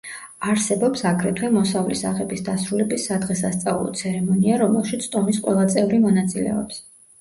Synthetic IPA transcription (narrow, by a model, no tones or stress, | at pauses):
aɾsɛbɔpsakʰɾɛt̪ʰwɛmɔsavlisaʁɛbisd̪asɾulɛbisːad̪ʁɛsast̪sʼalˠɔ̰t̪sʰɛɾɛmɔniaɾɔmɛlˠʃit̪sʰt̪ʼɔmisqʼwɛlˠat̪sʼɛvɾimɔnat̪sʼilɛ̰ɔps